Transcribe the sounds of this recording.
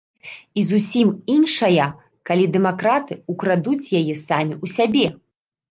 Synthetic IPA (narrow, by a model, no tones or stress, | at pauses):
izusʲiminʂɐjɐ | kalʲid̪ɛmakɾat̪ɨukɾad̪ut͡sʲjajɛsamʲiusʲabʲɛ